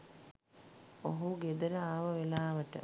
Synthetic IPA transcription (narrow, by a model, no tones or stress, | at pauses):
oɦuɡed̪əɾəaːʋəʋelaːʋəʈə̰